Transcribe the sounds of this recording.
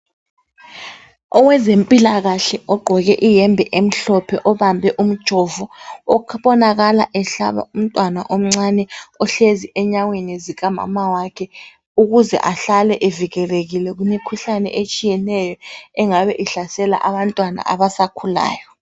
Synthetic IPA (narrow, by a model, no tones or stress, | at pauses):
ɔwɛzempʼilaɣaɬɛɔɡ͡ǃʱɔɣɛʔijɛmbʱɛʔem̩ɬɔpʰɛʔɔβambʱɛʔum̩d̥ʒ̥ʱɔvuɔkʰβɔnaɣala̰ʔɛɬa̰βa̰um̩tʼwanaʔom̩ŋ͡ǀanɛɔɬeziʔɛɲawenɛziɣama̰mawakʰɛ | uɣuzɛ̰ʔaɬalɛʔeviɣɛreɣilɛɣunekʰuɬanɛ̰ʔet͡ʃʼijɛnɛjɔɛŋaβɛʔiɬasɛla̰ʔaβantʼwana̰ʔa̰βasakʰula̰ːjɔ